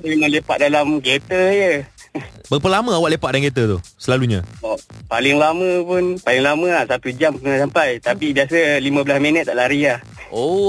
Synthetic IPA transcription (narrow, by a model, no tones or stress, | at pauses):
emãnlepa̰ʔ̪̚dalamɡet̪əjə | bərpərlamə̃awaʔlepat̪ʔ̚daŋɡet̪̬ət̪ʊhsəlaluɲã̰opalɪŋlamə̃pʊnpalɪŋlamə̃aʔsat̪ud͡ʒamkunasampajt̪apibiasəlimə̃bəlasminət̪̚ːaʔlaɾia | o